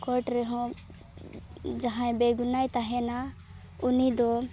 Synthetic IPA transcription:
kɔɾʈɾɛɦɔ̃ | d͡ʒaɦãj̃beɡunajt̪aɦɛna | unid̪ɔ

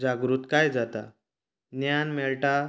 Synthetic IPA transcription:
d͡zaɡɾut̪kajd͡zat̪a | njanmɛɭʈa

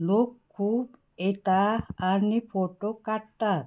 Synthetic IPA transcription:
lokʰː | u | et̪aːnipʰoʈokaʈːa

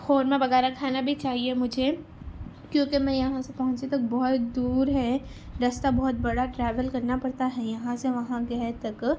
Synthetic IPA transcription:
foːɾmẽbɐɣɛːɾakʰaːnabʱit͡ʃaːɦiemʊd͡ʒʱe | kjõːkemɛ̃jɐɦãsepɐɦʊ̃t͡ʃet̪ɐk̚bɔɦʊt̪d̪uːɾɦɛɾɐst̪abɔɦʊt̪̚bɐɽaʈɾɛːʋəlkɐɾnapɐɽt̪aɦɛjɐɦãseʋɐɦãɡɐɦt̪ɐk

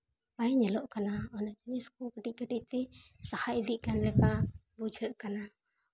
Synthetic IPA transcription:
bajɲɛlɔʔkanaɔnaʔd͡ʒiniskukəʈic̚kəʈic̚t̪ɛsahaʔd̪iʔ̚kanlɛkabud͡ʒʱəʔkana

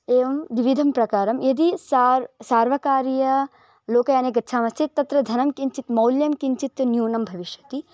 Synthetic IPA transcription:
eːʋɐmʋiʋid̪ʱɐmpɾɐkaːɾɐmed̪isaɾsaːɾʋɐkaːɾjɐ | loːkɐjaːneːɡɐt̪ːt͡ʃʰaːmɐst̪ʰit̪̚t̪ːɐt̪ɾɐd̪ʱɐnɐmkiɲt͡ʃit̪mɐwljɐmkiɲt͡ʃit̪njuːnɐmbʱɐʋiʃjɐt̪i

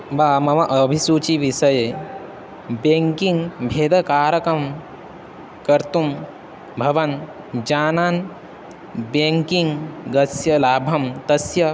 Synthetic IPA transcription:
baːmɐmɐʔɐbʱisuːt͡ʃiʋiʃɐje | beːŋkiŋɡbʱeːd̪ɐkaːɾɐkɾɐm | kɐɾt̪um | bʱɐʋɐn | d͡ʒaːnaːn | beŋkiŋɡɡɐsjɐlaːbʱɐmt̪ɐsjɐ

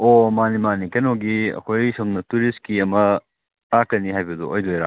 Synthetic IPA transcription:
omanimanikɐnoɡiɐ̰kʰojsomnɐtuɾist̚kiɐmɐ | akɐniɦajbɐd̪uojlojɾa̰

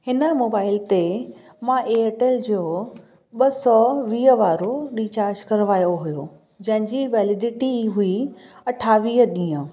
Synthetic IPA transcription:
hɪnəmoːbaːɪlt̪e | mãʔeeʈeld͡ʑoː | ɓɐsɔːʋiːɦəʋaːɾoɗiːt͡ɕaːɾd͡ʑkɐɾʋaːjoɦujoː | d͡ʑɐ̃ɦɪ̃ɲd͡ʑiʋɛːlɪɖɪʈiɦui | ɐʈʰaːʋiːɦəɗĩːə̃

